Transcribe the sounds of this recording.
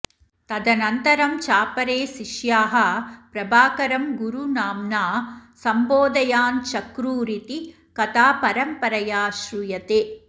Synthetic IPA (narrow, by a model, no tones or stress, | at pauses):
t̪ɐd̪ɐnɐnt̪ɐɾɐmt͡ʃaːpɐɾeːʃiʃjaːɦɐpɾɐbaːkɐɾɐmɡuɾunaːmnaːsɐmboːd̪ɐjaːnt͡ʃɐkɾuːɾit̪i | kɐt̪aːpɐɾɐmpɐɾɐjaːʃɾujɐt̪eː